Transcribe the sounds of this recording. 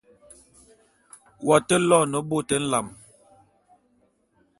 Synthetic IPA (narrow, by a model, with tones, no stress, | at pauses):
wa˨tə˦lɔ˦˨nə˨˦bo˦˨tə˨˦n̩˦la˨m